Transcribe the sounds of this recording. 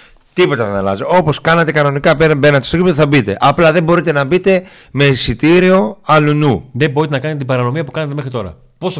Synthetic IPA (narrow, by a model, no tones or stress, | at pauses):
t̪ipo̞t̪ɐðenɐlɐ̰zoo̞po̞skɐnɐt̪e̞kɐno̞nikɐpebeɾnɐt̪est̪ot̪ipt̪θɐbit̪e̞̰ʔɐplɐðe̞mbo̞ɾit̪e̞nɐbit̪e̞ | mesit̪iɾio̞ɐlunuðebo̞ɾit̪enɐkɐnt̪et̪ibɐɾɐno̞miɐpukɐnɐt̪emexɾit̪o̞ɾɐ̰ | pos